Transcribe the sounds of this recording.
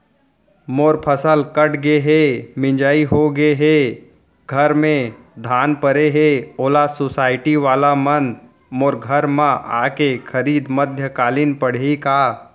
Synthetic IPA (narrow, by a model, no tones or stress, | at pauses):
moːɾpʰəsəlkəʈʰɡeɦeːmɪ̃ɲd͡ʒaːiɦoɡeɦeː | ɡʱɐɾmẽ | d̪ʱaːnpəɾeɦeːoːlasoːsaːɪʈiʋaːlamən | moːɾɡʱəɾmãʔa̰ːkexʰəɾiːd̪məd̪ʱjəkaːlinpəɽ̤ekaː